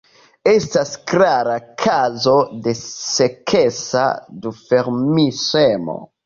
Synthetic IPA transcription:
estasklaɾakʰazo̞desekʰesa̰dufeɾmisemo̰

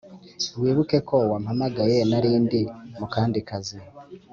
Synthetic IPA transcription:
wiːβuke̞kʰo̞wamhamaɡaje̞naɾiːndimukaːndikazi

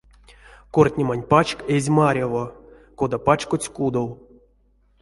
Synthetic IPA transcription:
kortʲnʲemanʲpat͡ʃkezʲmaɾʲavo | kod̪apat͡ʃkot͡sʲkud̪ow

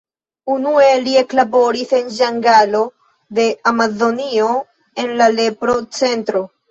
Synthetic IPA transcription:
unue̞lie̞klabo̞ɾise̞nʒaŋɡalo̞ | de̞amazo̞nio̞ | e̞nlale̞pɾo̞t͡se̞ntɾo̞

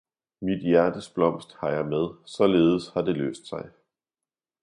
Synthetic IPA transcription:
mid̥jæɐd̥əsb̥lɒ̽m̰sd̥hɑ̈jɑ̈ɪmeð̞ˠsɒ̽le̝ːð̞ˠəshɑ̈d̥e̝lø̰ːsd̥sɑ̈ɪ

